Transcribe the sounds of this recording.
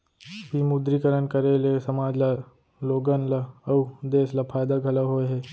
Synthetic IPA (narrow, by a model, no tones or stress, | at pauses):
bʱimud̪ɾikəɾənkɐɾelesɐmaːd͡ʒla | loːɡənlaɐwd̪eːslapʰaːjd̪aɡʱɐləɦoeɦɛː